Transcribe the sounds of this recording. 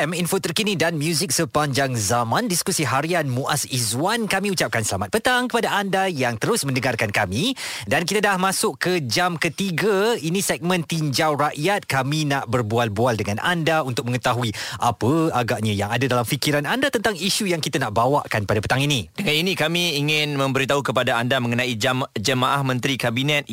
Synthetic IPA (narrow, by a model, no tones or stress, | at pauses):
ɛminfot̪ərkinidanmjuzik̚səpaɲd͡ʒaŋzamãndiskusiɦaɾianmũʔasizwankamĩut͡ʃap̚kansəlamat̪̚pət̪aŋkəpadaʔandajaŋt̪əɾʊsmə̃ndəŋarkankamidankit̪adahmãsʊʔkəd͡ʒamkət̪iɡainisɛk̚mə̃nt̪iɲd͡ʒawraʔjat̪̚kaminaʔbərbualbualdəŋanʔa̰ndaunt̪ʊk̚mə̃ŋət̪aɦuiʔapəaɡaʔɲãjaŋadadalamfikiɾanandat̪ənt̪aŋiʃujaŋkit̪anaʔbawaʔkanpadapə̥t̪aŋinĩd̥əŋaninĩkamĩːŋɪnmə̃mbəɾit̪aɦukəpadaandamə̃ŋənãid͡ʒamd͡ʒəmaʔahmə̃nt̪ɾikabinɛt̪̚